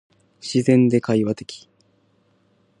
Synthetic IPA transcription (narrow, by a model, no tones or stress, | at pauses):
ɕizẽ̞nd̪e̞kaiβat̪e̞̥kʲi̥